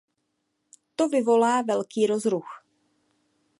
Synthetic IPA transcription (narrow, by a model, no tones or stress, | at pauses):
t̪ovɪvo̞laːvɛlkiːɾozɾux